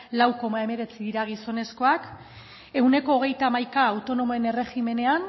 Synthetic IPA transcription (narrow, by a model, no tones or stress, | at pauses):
lawko̞mae̞me̞ɾe̞t͡siðiɾaɣ̞iso̞ne̞sko̞ak | e̞wne̞ko̞ːɣ̞e̞jt̪amajkaːwt̪o̞no̞moene̞re̞xime̞ne̞an